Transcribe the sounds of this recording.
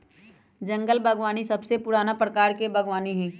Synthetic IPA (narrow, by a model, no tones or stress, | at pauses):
d͡ʒɐ̃ŋɡəlbʱɐɡʋaːnisɐbsepʊɽaːnapɾəkaːɾkebʱɐɡʋaːniɦɛ̃ː